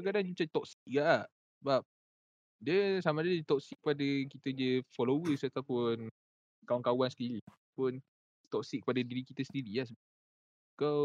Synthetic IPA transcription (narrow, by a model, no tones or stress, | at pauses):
ək̬adaŋd͡ʒut͡ʃat̪ɔk̚sik̚ɡaʔah | səbap̚ | diəsamadəədət̪ɔk̚sik̚ːəpadakit̪ədəfɔlowəsat̪awpʊn | kawankawansə̥t̪iɾi | pʊn | t̪ɔk̚sik̚ːə̥padadiɾikit̪əsəndiɾiahs̬ə | ka